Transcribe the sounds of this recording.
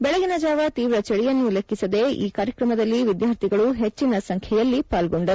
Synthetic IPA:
bɛɭɛɡinɐd͡ʒaːʋɐt̪iːʋɾɐt͡ʃɐɽijɐnːulekːisɐd̪e̞ʔḭːkaːɾjɐkɾɐmɐd̪ɐlːiʋid̪jaːɾt̪ʰiɡɐɭuɦet͡ʃːinɐsɐŋkʰɛjɐlːipaːlɡoɳɖɐɾ

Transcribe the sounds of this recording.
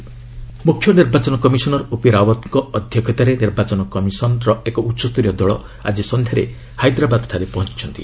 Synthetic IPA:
mukʰːjɔniɾbat͡ʃɔnɔkɔmisɔnɔɾupiɾawɔt̪ŋkɔɔd̪ʱjɔkʰɔt̪aɾeniɾbat͡ʃɔnɔkɔmisɔnɾɔekɔutːʃɔst̪uɾijɔd̪ɔɭɔ̰ | a̰d͡ʒisɔnd̪ʱjaɾḛ | hajd̪ɾabad̪ʈʰaɾepɔɦɔnt͡ʃi̥t͡ʃʰɔnt̪ḭ

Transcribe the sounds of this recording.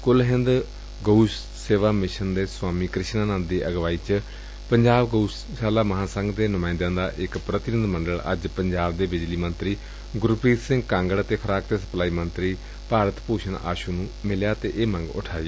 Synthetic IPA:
kʊlɦɪ̃nd̪ | ɡouʃ | seːʋaːmɪʃənd̪eːswaːmiːkɾɪʃnãːnãːnd̪iːʔəɡʋaːiːt͡ʃ | pəɲd͡ʒaːbɡouʃ | ʃaːlaːməɦãːsə̃ŋɡd̪eːnʊmaːnd̪ãːd̪aːʔɪkpɾət̪ɪnɪd̪məɳɖəɭə̰d͡ʒpəɲd͡ʒaːbd̪eːbɪd͡ʒliːmənt̪ɾiː | ɡʊɾpɾiːt̪sɪ̃ŋɡkãːŋɡəɽt̪eːkʰəɾaːkt̪eːsə̥plaːiːmənt̪ɾiː | paːɾət̪puːʃʰəna̰ːʃuːnũːmɪljaːt̪eːʔeːmə̃ŋɡʊ̰ʈʰaːi

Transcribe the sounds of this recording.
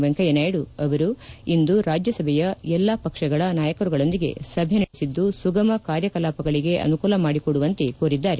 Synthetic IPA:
ʋɐŋkɐjɐnaːjɐɽuɐʋɐɾuind̪uɾaːd͡ʒjɐsɐbʱɛjɐɛlːapɐkʂɐɡɐɭɐnaːjɐkɐɾuɡɐɭo̞nd̪iɡe̞̰sɐbʱenɐɽesid̪ːusuɡɐmɐkaːɾjɐkɐlaːpɐɡɐɭiɡe̞ʔɐ̰nukuːlɐmaːɽikoɽuʋɐnt̪ekoːɾid̪ːaːɾe

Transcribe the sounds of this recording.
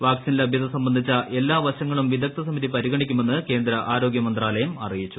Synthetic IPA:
ʋaːksinilɐbʱjɐd̪ɐsɐmbɐnd̪ʱit͡ɕːɐʔe̞lːaːʋɐɕɐŋːɐɭumʋid̪ʱɐk̚t̪ʰɐsɐmiðipɐɾiɣɐɳikʲːume̞nːɨke̞ːnd̪ɾɐʔaːɾo̞ːɡjɐmɐnd̪raːlɐjɐmɐrijit͡ɕːu̥

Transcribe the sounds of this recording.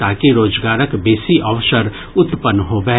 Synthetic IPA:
t̪aːkiɾoːd͡ʒɡaːɾəkbeːsiʔɐʋʃəɾ | ʊt̪pənɦoːbɛɦ

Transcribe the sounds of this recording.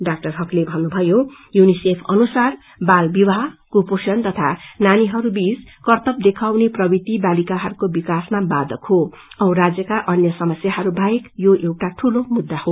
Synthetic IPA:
ɖak̚ʈʌrɦʌklebʱʌnːubʱʌjo | junisepʰʌnusar | balbiwaɦʌkuposʌnt̪ʌt̪ʰananiɦʌɾubid͡zkʌrt̪ʌp̚d̪ekʰawneprʌbit̪ibalikaɦʌɾukobikasmabad̪ʌkho | ʌwɾad͡zjʌkaʔʌnjʌsʌmʌsjaɦʌɾubʱaekjoʔewʈaʈʰulomud̪ːaho

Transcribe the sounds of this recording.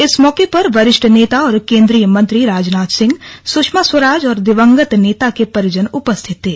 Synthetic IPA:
ɪsmɔːkepɐɾʋɐɾɪʃʈʰəneːt̪aɔːɾkẽːnd̪ɾiːjəmɐ̃nt̪ɾiɾaːd͡ʒnaːt̪sɪ̃ŋɡsʊkʃmaswəɾaːd͡ʒɔːɾd̪ɪʋə̃ŋɡət̪neːt̪akepɐɾjʊd͡ʒənʊpəst̪ʰɪt̪ɦeː

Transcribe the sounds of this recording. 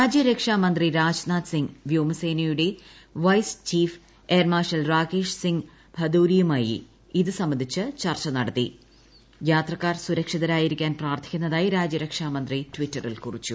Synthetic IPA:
ɾaːd͡ʑjɐɾɐkʂaːmɐnd̪riɾaːd͡ʑnaːt̪siŋɡʋjoːmɐseːnɐjuɽe̞ | ʋɐjst͡ɕiːf | eːrmaːʂɐlraːɡeːʂsiŋɡ | bʱɐd̪uːɾijumaːjḭ | iðɨsɐmbːɐnd̪ʱit͡ɕːɨt͡ɕɐrt͡ɕːɐnɐɽɐt̪ːḭ | jaːt̪rɐkːaːrsuɾɐkʂiðɐɾaːjiɾikʲːaːnpraːrt̪ʰi̥kʲːunːɐðaːjiɾaːd͡ʑjɐɾɐkʂaːmɐnd̪ritʋitːɐrilkurit͡ɕːu

